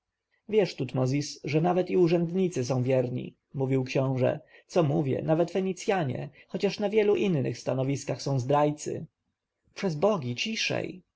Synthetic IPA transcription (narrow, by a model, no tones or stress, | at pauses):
vʲjɛʂt̪ut̪mɔzʲisʐɛnavɛt̪iuʐɛnd̪ɲit̪sɘs̬ɔ̃w̃vʲjɛɾɲḭ | muvʲiwkɕɔ̃w̃ʐɛ̰t̪sɔmuvʲjɛ̰navɛt̪fɛɲit̪sʲjaɲɛ̰xɔt͡ɕaʂnavʲjɛluʔinːɘ̰xst̪anɔvʲiskaxsɔ̃w̃zd̪ɾajt̪sɘ̰ | pʂɛzbɔɡʲit͡ɕiʂɛ̰j